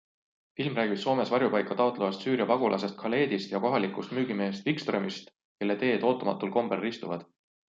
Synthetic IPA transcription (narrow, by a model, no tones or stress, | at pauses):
filmræːɡi̥so̞ːme̞svɑɾjupɑjkːˑɑt̪ɑot̪le̞vɑst̪syːɾjɑpɑɡulʔɑ̰se̞st̪̚kʰɑle̞ːd̪ist̪jɑko̞ɦɑlikˑust̪myːɡ̥ime̞ːst̪vikst̪remist̪ | ke̞lːet̪e̞ːd̪̥o̞ːt̪ːˑɑmɑ̰t̪ːˑulko̞mb̥erːist̪uvɑd̪̥